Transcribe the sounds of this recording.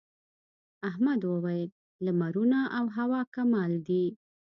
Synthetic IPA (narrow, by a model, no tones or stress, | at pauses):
aɦmad̪wəwajlː | amaɾunaʔawɦawɑkamɑld̪i